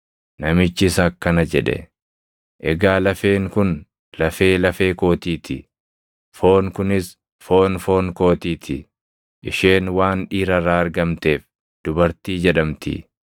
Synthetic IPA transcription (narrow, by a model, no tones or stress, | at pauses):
nɐmɪt͡ʃːɪsɐkːɐnɐd͡ʒɛᶑɛ̰ | ʔɛɡaːlɐfe̞ːŋkʊn | lɐfe̞ːlɐfe̞ːko̞ːt̪iːt̪ʰɪ | fo̞ːŋkʊnɪs | fo̞ːnfo̞ːŋko̞ːt̪iːt̪ʰɪ̰ | ʔɪʃe̞ːnwaːnᶑiːɾɐrːaːɐɾɡɐmt̪e̞ːf | d̪̥ʊbɐɾt̪iːd͡ʒɛᶑɐmt̪ɪ̰